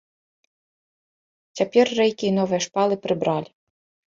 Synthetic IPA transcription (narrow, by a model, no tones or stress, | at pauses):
t͡sʲapʲɛrːɛjkʲiːnɔʋɛjɛʂpɑlˠɪpɾɪbɾɑlʲi